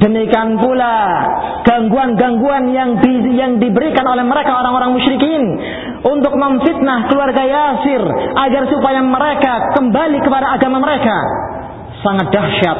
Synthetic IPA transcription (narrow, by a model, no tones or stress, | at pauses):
d̥əmikanpula | ɡ̥aŋɡuanɡaŋɡuanjaŋdijaŋdibəɾikanolɛhməɾekaoɾaŋoɾaŋmuʃɾikin | unt̪ʊk̚məɱfit̪̚nahkəluarɡajasɪrʔaɡarsupajaməɾekakəmbalikəpadaːɡamaməɾeka̰ | saŋat̪̚d̥ahʃat̪̚